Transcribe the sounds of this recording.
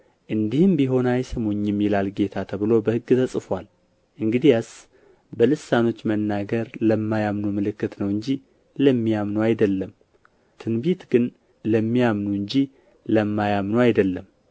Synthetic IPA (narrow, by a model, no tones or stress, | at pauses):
ʔɨnd̪ihɨmbiɦo̞najsəmoɲːɛmːilalɡe̞t̪ʰat̪ʰəβɨlo̞bəhɨɡːɨt̪ʰəsʼfwal | ʔɨŋɡɨd̪ijas | bəlɨsːano̞t͡ʃːmənːaɡəɾləmːajamnumɨlɨkːɨt̪nəwɨɲd͡ʒi | ləmːijamnuajd̪əlːəm | t̪ʰɨnbit̪ɡɨn | ləmːijamnuɨɲd͡ʒi | ləmːajamnuajd̪əlːəm